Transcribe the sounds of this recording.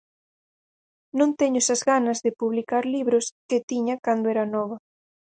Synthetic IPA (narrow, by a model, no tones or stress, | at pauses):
nõnt̪eɲʊsɐzɣanɐzðɪpuβlikaɾliβɾoskɪt̪iɲɐkand̪oɛɾɐnɔβɐ